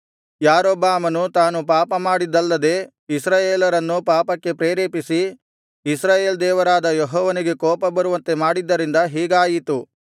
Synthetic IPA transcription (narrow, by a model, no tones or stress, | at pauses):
jaːɾɔbːaːmɐnut̪aːnupaːpɐmaːɽid̪ːɐlːɐd̪e̞ː | isɾaːjeːlɐɾɐnːupaːpɐkːe̞pɾeːɾeːpisi | isɾaːjeːld̪ɛːʋɐɾaːd̪ɐjeɦɔːʋɐniɡe̞kɔːpɐbɐɾuʋɐnt̪e̞maːɽid̪ːɐɾind̪ɐɦiːɡaːjit̪u